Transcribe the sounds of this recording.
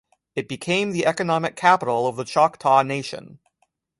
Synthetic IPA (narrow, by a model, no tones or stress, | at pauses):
ɨt̚b̥ɨkʰẽɪ̃mðiʔɛkɨnɑmɨkʰæpəɾl̩ˠʌvðət͡ʃʰɑktʰɑneɪʃɨ̰̃n